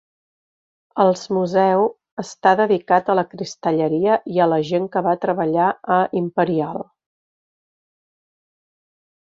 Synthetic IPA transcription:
əlˠzmuzɛw | əst̪aðəðikat̪ələkɾist̪əʎəɾiəʔiələʒeŋkəβat̪ɾəβəʎaəʔimpəɾialˠ

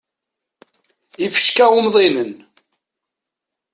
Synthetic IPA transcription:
ifə̥ʃkæʊmðˤinən

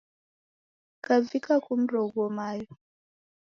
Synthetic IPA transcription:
kavikakum̩ɾɔɡɔmajɔ

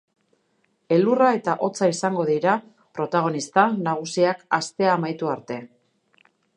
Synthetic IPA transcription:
e̞lurae̞t̪aʔo̞t͡saisaŋɡo̞ðiɾa | pɾo̞t̪aɣ̞o̞nist̪anaɣ̞usiakast̪e̞aːmajt̪uaɾt̪e̞

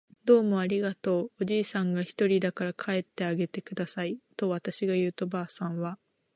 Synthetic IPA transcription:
d̪o̞ːmo̞aɾʲiɡat̪o̞ːʑiːsãŋɡaçi̥t̪o̞ɾʲid̪akaɾakʰae̞t̪ːe̞aɡe̞t̪e̞kɯ̟d̪asait̪o̞βat̪aɕiɡajɯ̟ːt̪o̞baːsãɰ̃βa

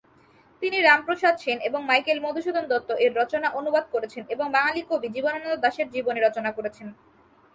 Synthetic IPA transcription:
t̪iniɾampɾoʃad̪ʃeneboŋmajkelmod̪ʱoʃud̪ʱond̪ɔt̪ːoʔeɾːɔt͡ɕonaʔonubad̪̚koɾet͡ɕʰeneboŋbaŋalikobid͡ʑibononat̪od̪aʃeɾd͡ʑiboneɾɔt͡ɕonakoɾet͡ɕʰen

